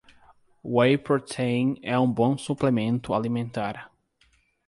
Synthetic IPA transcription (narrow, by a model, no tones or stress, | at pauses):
wejpoɾt̪ʰẽj̃nɛũbõsuplemẽnt̪ʊalimẽnt̪aɾ